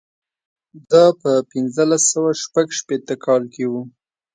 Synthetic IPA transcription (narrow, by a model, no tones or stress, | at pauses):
d̪ɑpəpɪnzəlasːəwaʃpaɡʃpet̪əkʰɑlkewu